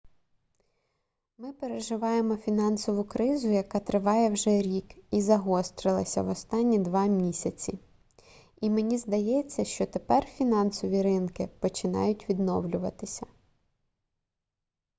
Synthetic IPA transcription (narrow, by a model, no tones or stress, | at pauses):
mɪpeɾeʒɪʋɑjemɔfʲinɑnsɔʋʊkɾɪzʊjɐkɑt̪ɾɪʋɑjɛwʒɛɾʲikizɐɦɔst̪ɾɪlˠɐsʲɐ̰ʋɔst̪ɑnʲːid̪ʋɑmʲisʲɐt͡sʲi | imenʲizd̪ɐjɛt͡sʲːɐʃt͡ʃɔt̪epɛrfʲinɑnsɔʋʲiɾɪnkɪpɔt͡ʃɪnɑ̰jʊtʲʋʲid̪nɔwlʲʊʋɐt̪ɪsʲɐ